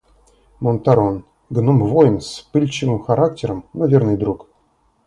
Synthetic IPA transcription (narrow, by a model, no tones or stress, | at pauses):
mont̪aɾon | ɡnumvojnspɨlʲt͡ɕɪvɨmxɐɾak̚tʲɪɾəmnɐvʲernɨjd̪ɾuk